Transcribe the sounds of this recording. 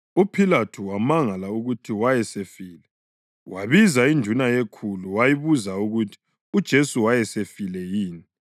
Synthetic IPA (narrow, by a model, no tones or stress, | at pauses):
upʰilatʰuwamaŋalauɣutʰiwajɛsefiːlɛ | waβizaind͡ʒʱunajekʰuluwajiβuzauɣutʰi̥ | ud̥ʒ̥ʱesuwajɛsefilɛjiːni